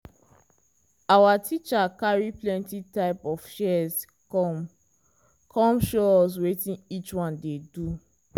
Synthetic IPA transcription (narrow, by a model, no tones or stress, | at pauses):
awatit͡ʃakaɹiplɛ̃ntitaɪpɔfʃɛz | ɔ | kʰɔ̃mʃoɔs̬wetĩnit͡ʃwãndedu